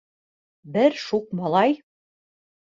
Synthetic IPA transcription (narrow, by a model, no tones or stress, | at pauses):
bɘɾʃuq̚mɑlˠɑj